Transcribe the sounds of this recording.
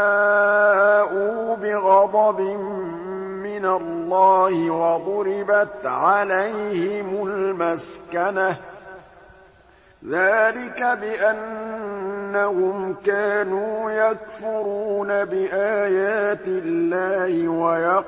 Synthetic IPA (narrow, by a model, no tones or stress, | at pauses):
aː | ʔuːbɪɣɑd̪ˤɑbɪmː | ɪnalːɑːhɪwɑðˤʊɾɪbat̪ʕalajhɪmʊlmaskana | ðaːlɪkabɪʔanː | ahʊmkaːnuːjakfʊɾuːnabɪʔaːjaːt̪ɪlːaːhɪwajɑ